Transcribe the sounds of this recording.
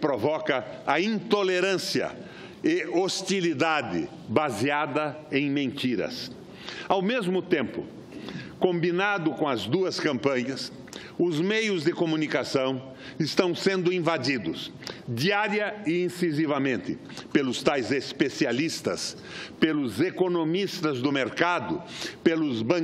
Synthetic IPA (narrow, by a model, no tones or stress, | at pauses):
pɾovɔkɐɐĩnt̪oleɾɐ̃siɐ̰ | ɪost̪ilid̪ad̪ɪ̰ | baziad̪ɐ | ẽj̃mẽnt̪iɾɐ̰s | awmezmʊt̪ẽmpʊ̰ | kõmbinad̪ʊkõɐzd̪uɐskɐ̃mpɐ̃ɲɐs | ʊzmejʊzd̪ɪkomũnikasɐ̃w̃ | ɪst̪ɐ̃w̃sẽnd̪ʊĩvad͡ʒ̪id̪ʊsd̪iaɾjɐɪĩsizivɐmẽnt̪ɪ̰ | pelʊst̪ajzespesialist̪ɐ̰s | pelʊzekonomist̪ɐzd̪ʊmeɾkad̪ʊpelʊzbɐ̃